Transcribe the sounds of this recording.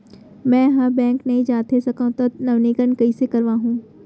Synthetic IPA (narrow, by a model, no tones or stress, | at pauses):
mɛ̃ːɦabɛ̃ːŋknɐɦĩd͡ʑaːt̪ʰesɐkãt̪ɐnɐʋnikənɪ̆kɐisekɐɾʋãɦũː